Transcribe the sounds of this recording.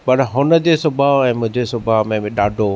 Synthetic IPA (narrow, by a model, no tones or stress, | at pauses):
pɐɾɦʊnə̆d͡ʑeːsʊbʱaɛ̃ːmʊ̃ɦɪ̃d͡ʑesʊbʱaɦmẽɗaːɖʱo